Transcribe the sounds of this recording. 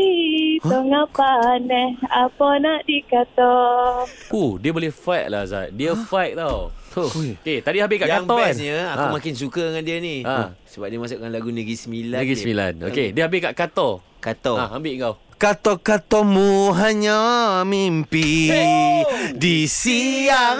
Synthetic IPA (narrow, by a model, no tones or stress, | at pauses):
itəŋapanɛhapanaʔdikat̪ɔ | kudiəbolɛhfajʔ̚la̰za̰t̚diəfajʔ̚t̪aw | oket̪adihabɪkaʔkaŋt̪ɔsɲəakumakɪns̬ukəŋandiəniasəbap̚diəmas̬ʊʔkanlaɡunəɡɾisəmilanəɡismila̰no̰kediəɦabɪkaʔkat̪ɔ | kat̪ɔaambɪʔŋkawkat̪ɔkat̪ɔmuɦaɲamimpi | disiaŋ